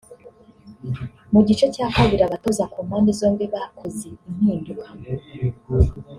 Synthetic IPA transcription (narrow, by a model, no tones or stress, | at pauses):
muɟit͡ʃe̞caːkaβiɾaβatozakomwanizo̞ːmbiβakʰozein̥hiːndukʰḁ